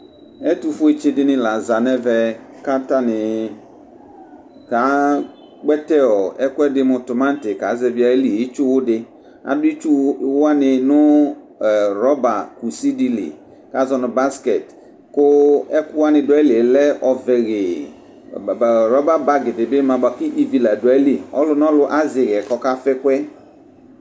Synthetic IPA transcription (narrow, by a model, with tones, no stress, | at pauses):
ɛ˦tu˨fʊ˦e˦t͡ʃe˦dɪ˦nɪ̃˨la˨za˨nɛ˦vɛ˨ka˦ta˦nɪ˨ | ka˨˦ | k͡pɛ˦tɛ˦ɔ˨ɛ˦kʊ˦ɛ˦dɪ˦mʊ̃˨tʊ˨mã˦n˦tɪ˨ka˨˦zɛ˨vi˦a˨e˦li˨i˦t͡ʃu˦wʊ˦dɪ˦ | a̰˨dʊ˦i˦t͡ʃu˦wa˦nɪ̃˨nʊ̃˦˨ | ɾɔ˦ba˨ku˨si˦di˨lḭ˨ | ka˨˦zɔ˨nʊ˨ba˦skɛ˨t | kʊ˦ɛ˦kʊ˦wa˦nɪ̃˨dʊ˨ɛ˦li˨lɛ˦ʔɔ˨vɛ˨ɣe˨ | ɾɔ˦ba˦ba˨ɡɪ˨dɪ˨be˦mã˨ba˨ki˦ʔi˦˨vi˨la˨dʊ˨a˨˦li˦˨ɔ̰˦lʊ˦nɔ̃˦lʊ˦ʔa˦zɪ˨ɣɛ˨kɔ˦ka˦fɛ˦kwɛ˦